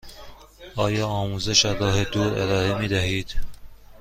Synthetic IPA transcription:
ɒːjɒːɒːmuːzeʃæɾɒːhed̪uːɾḛɾɒːɾemiːd̪æɦiːd̪̥

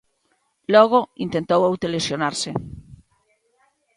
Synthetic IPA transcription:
loɣ̞oint̪ent̪owowt̪elesjonaɾse

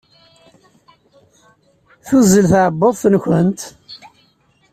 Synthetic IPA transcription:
θuzːəlθʕəbːəðˤθnçʷənt̪

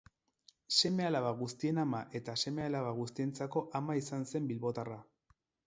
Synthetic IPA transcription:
se̞me̞alaβaɣust̪ie̞namaʔe̞t̪ase̞me̞alaβaɣust̪ie̞nt͡sako̞ʔamaisanse̞mbilβo̞t̪ara

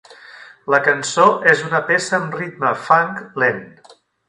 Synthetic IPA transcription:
ləkənsoʔezunəpesəːmrit̪məfaŋklen

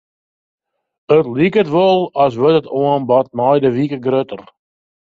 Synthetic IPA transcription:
ətlikətʋɔlˠɔs̬ʋøtətoənbɔt̚mɔjdəʋikəɡrøtər

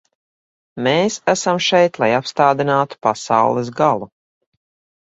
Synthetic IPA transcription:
meːsæsamʃɛjt̪lˠajapst̪aːd̪inaːt̪u̥pasa̰wlˠɛs̬ɡalˠu

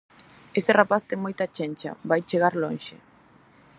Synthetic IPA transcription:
est̪erapaθt̪eŋmojt̪at͡ʃenʲt͡ʃɐ̰bajt͡ʃeɣaɾloŋʃɪ

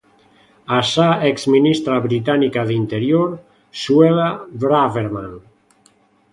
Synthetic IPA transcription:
asaeksminist̪ɾaβɾit̪̬anikaðint̪eɾjoɾ | swelabɾaveɾmaŋ

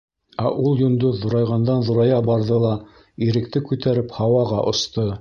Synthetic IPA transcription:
æʔulˠjɵ̆nd̪oðŭɾɑjʁɑnd̪ɑnðŭɾɑjɑbɑɾðɤlˠɑ | iɾɘ̆kt̪ɘkʉt̪æɾɘphɑwɑʁɑʔŏst̪ɤ

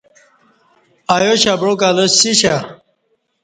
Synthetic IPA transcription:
ajoɕabɾokaloɕiɕa

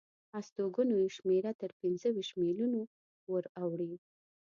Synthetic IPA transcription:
ast̪oɡunojeʃmeɾat̪əɾpɪnzəwiʃmiluno | wəɾawɽi

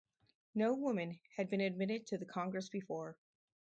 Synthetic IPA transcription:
noʊwʊmɨ̃nɨd̚bɨ̃ñɨd̚mɪɾɨd̚tʰɨðɨkʰɑ̃ŋɡɹɨsb̥ɨfɔɹ

